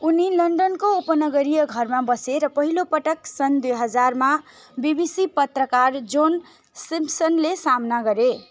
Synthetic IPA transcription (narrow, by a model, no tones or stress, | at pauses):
unilʌɳɖʌnkoopənʌɡʌɾijʌɡʱʌɾmabʌseɾʌpʌɦilopʌʈʌksʌnd̪ujɦʌd͡zaɾma | bibisipʌt̪ɾəkaɾd͡zon | simpsʌnlesamnaɡʌɾe